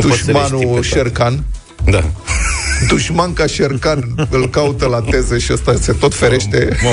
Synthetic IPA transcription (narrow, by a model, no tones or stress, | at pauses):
d̪uʃmanuʃerkan | d̪a | d̪uʃmankaʃerkanɨlkaut̪əlat̪e̞zeʃiəst̪ase̞t̪o̞t̪fe̞ɾe̞ʃt̪e̞